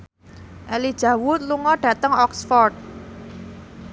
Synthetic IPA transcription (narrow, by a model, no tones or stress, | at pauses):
ʔɛlid̥ʒ̥ä̤wut̪̚luŋɔɖ̥ä̤t̪əŋɔksfɔrt̪̚